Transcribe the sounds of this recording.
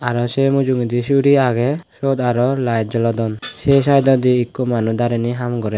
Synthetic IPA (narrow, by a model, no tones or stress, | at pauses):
aɾɔsemud͡ʒuŋid̪isuɾiaɡɛsɔd̪aɾɔlajt̪̚d͡ʒɔlɔd̪ɔnsɛs̬ajd̪ɔd̪iːkːɔmanud̪aɾɛniɦamɡɔɾɛ